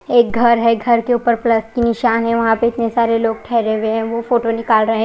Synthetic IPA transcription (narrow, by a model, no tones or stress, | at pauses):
eːk̚ɡʱɐɾɦɛɡʱɐɾkeuːpəɾplɐskinɪʃaːnɦɛ̃ʋɐɦãpeɪt̪nesaːɾeloːɡ̚ʈʰɛːɾeʋeɦɛ̃ʋofoːʈonɪkaːlɾɐɦẽ